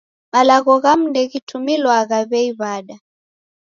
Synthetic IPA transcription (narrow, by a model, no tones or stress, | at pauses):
malaɣɔɣam̩ndɛɣitʰumilwaɣaβɛiβaɗa